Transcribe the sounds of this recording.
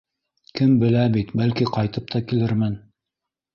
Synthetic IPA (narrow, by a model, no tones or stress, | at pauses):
kɘmbɘ̆læbit̪bælkiqɑjt̪ɤp̚t̪ʰɑkilɘɾmɘn